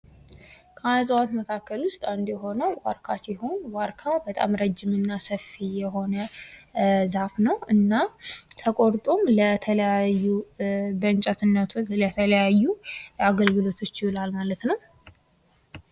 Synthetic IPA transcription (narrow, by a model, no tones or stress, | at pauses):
kʰazʼəwat̪məkʰakːəlwʊst̪ʼand̪jɛɦo̞nəwwa̰ɾkʰasiho̞nwaɾkʰabət̪ʼa̰mɾəd͡ʒːɪmɨnːasəfːijɛɦo̞nə | zafnəwɨnːat̪ʰəkʼoɾt̪ʼomlət̪ʰələjajːubəɨnt͡ʃʼat̪ʰɨnːət̪ʰlət̪ʰələjajːuaɡəlɡɨlo̞t̪ʰo̞t͡ʃːɪwlalmalət̪nəw